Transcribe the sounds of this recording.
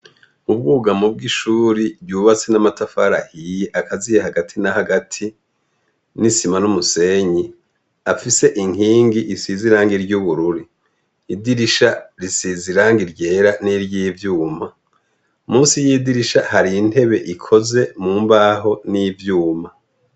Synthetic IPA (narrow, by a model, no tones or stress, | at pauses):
mub̚ɡuːɡamub̚ɡiʃuːɾiɾɟuːβat͡se̞namatafaɾahijeʔakazijehaɡatʰinahaɡatʰi | nisimanumuse̞ɲi | afise̞ʔiŋiːŋɡiʔisiziɾaːŋɡiɾɟuβuɾuɾiː | diɾiʃaɾisiziɾaːŋɡiɾɟe̞ːɾaniɾɟivjuːma | umuːnsijidiɾiʃahaɾinhe̞βe̞ʔikʰo̞ze̞muːmbaːɦo̞nivjuːma